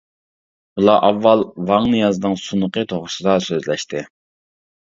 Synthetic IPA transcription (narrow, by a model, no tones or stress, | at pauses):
ulˠɑʔɑvːɑlˠvɑŋnɨjɑznɨŋsunəqət̪ʰoʁɾʊsɨd̪ɑsøzlɛʃt̪ʰɪ